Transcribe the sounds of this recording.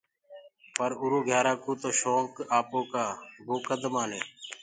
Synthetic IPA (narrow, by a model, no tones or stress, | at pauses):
pəɾʊɾoːɡʱjaːɾaːkuːt̪oːʃoːŋkaːpõːkaːbokəd̪maːneː